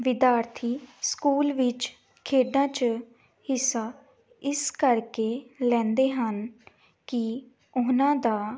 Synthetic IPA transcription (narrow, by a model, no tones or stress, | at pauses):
ʋɪd̪jaːɾt̪ʰiːskuːlʋɪt͡ʃ | kʰeːɖãːt͡ʃ | hɪsaː | ɪskəɾkeːlɛ̃ːnd̪eːɦən | kɪ | ʊnãːd̪aː